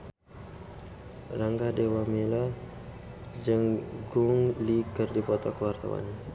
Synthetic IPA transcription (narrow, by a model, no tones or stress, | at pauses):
raŋɡadewamila | d͡ʒəŋɡuŋlikərdipɔt̪ɔkəwart̪a̰wa̰n